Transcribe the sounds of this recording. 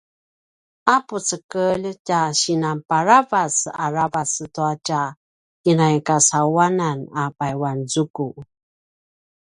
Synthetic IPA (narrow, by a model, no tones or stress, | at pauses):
aput͡səkəʎcaɕinampaɾavasa̰ɾavasətuaca | kinajkasawananapajwanzuku